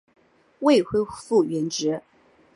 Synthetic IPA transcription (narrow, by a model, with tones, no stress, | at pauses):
we˥˧ɪxwe˥˧fu˥˩ɥɛ˧˥nʈ͡ʂɻ̩˧˥